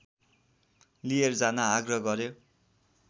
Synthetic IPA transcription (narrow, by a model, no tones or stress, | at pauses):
lierd͡zanaːɡrʌɡʌɾo